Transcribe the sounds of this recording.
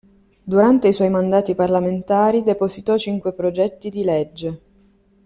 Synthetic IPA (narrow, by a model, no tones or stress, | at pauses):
d̪uɾant̪eiswɔjmand̪aːt̪iparlament̪aːɾid̪epozit̪ɔt͡ʃiŋkwepɾod͡ʒɛt̪ːid̪iled͡ʒːe